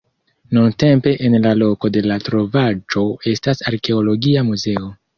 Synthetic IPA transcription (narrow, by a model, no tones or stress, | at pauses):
nunte̞mpe̞ʔenlalo̞ko̞de̞latɾo̞vad͡ʒo̞e̞stasaɾke̞olo̞ɡiamuze̞o̞